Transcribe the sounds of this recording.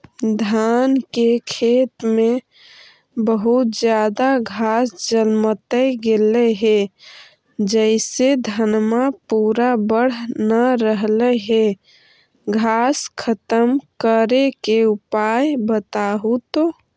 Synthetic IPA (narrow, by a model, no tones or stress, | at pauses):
d̪ʱaːnkekʰeːt̪mẽ | bəɦut̪d͡ʒjaːd̪aɡʱaːsd͡ʒəlmət̪əɡeleɦe | d͡ʒəɪsed̪ʱənmapuɾabəɽ̤nəɾəɦleɦe | ɡʱaːskʰət̪əmkəɾekeupajbət̪aɦut̪o